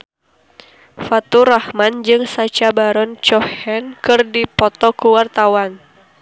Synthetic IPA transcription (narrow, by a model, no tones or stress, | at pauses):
fat̪urahmand͡ʒɨŋsat͡ʃabaɾɔnt͡ʃɔhɛnkɨrdipɔt̪ɔkuwart̪awan